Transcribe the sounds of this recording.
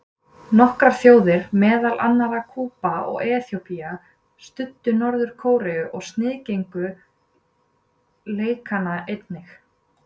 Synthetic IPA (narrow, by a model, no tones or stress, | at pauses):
nɔhkɾaɾ̥θjoːwðɪɾ̥mɛːðalʔa̰nːaɾakʰuːpaɔ̰ɣɛːθjowpia | st̪ʏt̪ːʏnɔɾðʏɾ̥kʰoːwɾɛʏʔɔɣst̪nɪːðcejŋkʏ | leːjkʰanaejt̪nɪx